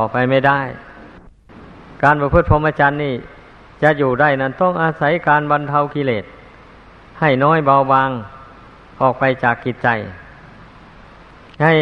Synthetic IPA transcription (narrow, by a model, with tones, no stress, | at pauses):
ɔː˨˩pa˧jma˧˥˩jda˥˩j | kaː˧npa˧pʰɯ˧˥t̪̚pʰo˧˦mʔaː˧t͡ɕaː˧nːiː˧˥˩ | t͡ɕa˧ʔjuː˨˩da˧˥˩jna˧˥˩nt̪ɔ˥˩ŋʔaː˧sa˧˥˦jkaː˧nba˧nt̪ʰa˧wkʰi˧leː˨˩t̪̚ | ha˧˩jnɔː˧˥˨jba˧wbaː˧ŋ | ʔɔː˨˩k̚pa˧jt͡ɕaː˨˩kːi˨˩t̪̚t͡ɕa˧j | ha˧˩j